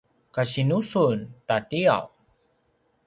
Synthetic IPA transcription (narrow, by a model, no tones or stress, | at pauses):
kaɕinusuntatia̰w